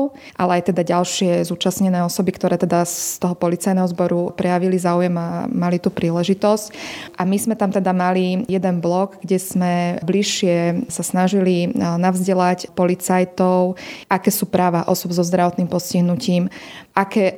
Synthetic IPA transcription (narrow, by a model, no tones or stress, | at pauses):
ʔalɛajt̪ɛd̪aɟalʃɪɛzuːt͡ʃasɲɛnɛːɔsɔbikt̪ɔɾɛːt̪ɛd̪at̪ɔɦɔpɔlit͡sajnɛɦɔzbɔɾupɾɛjaʋilizaːujɛmamalit̪uːpɾiːlɛʒit̪ɔscʔamizmɛt̪amt̪ɛd̪amalijɛd̪ɛnblɔɡɡɟɛz̥mɛbliʃɪɛsasnaʒilinavzɟɛlacpɔlit͡sajt̪ɔʊʔakɛːsuːpɾaːʋaʔɔsɔbzɔzd̪ɾaʋɔt̪niːmpɔsciɦnuciːmʔakɛː